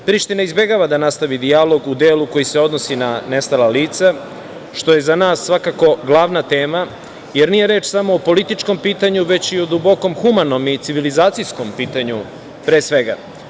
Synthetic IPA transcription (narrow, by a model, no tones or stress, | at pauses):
pɾiʃt̪inaizbe̞ɡaʋad̪anast̪aʋid̪ialo̞ɡud̪eːluko̞jise̞o̞d̪no̞sinane̞st̪alaliːt̪sa | ʃt̪o̞je̞zanaːsːʋakako̞ɡlˠaʋnat̪e̞ːma | jeɾnije̞ɾeːt͡ʃsamo̞ːpo̞lit̪it͡ʃko̞mpiːt̪aɲuʋe̞t͡ɕiod̪ubo̞ko̞mxumano̞mit̪siʋilizaːt̪sijsko̞mpiːt̪aɲu | pɾeːsʋe̞ɡa̰